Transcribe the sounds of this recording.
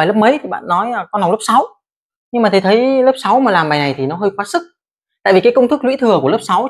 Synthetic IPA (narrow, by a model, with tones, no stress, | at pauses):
aː˨˩lə˦˥p̚mə˨˦jt̪ʰi˨˩ɓa̰ː˧˨nːɔ˨˦jaː˨˩kɔ˨˦na˨˩wlə˦˥sa˨˦w | ɲɨ˧ŋmaː˨˩i˨˩t̪ʰə˨˦jləː˦˥p̚sa˨˦wmaː˨˩laː˨˩mɓaː˨˩jna˨˩jt̪ʰi˨˩nɔ˨˦ɦəː˧jkwaː˨˦˥sɨ˦˥k̚ | t̪a̰ː˧˨vi˨˩kaː˨˦jkə˧wŋ͡mt̪ʰɨ˦˥k̚lwḭ˧˥t̪ʰɨ˨˩əku˧˩ələ˦˥p̚sa˨˦w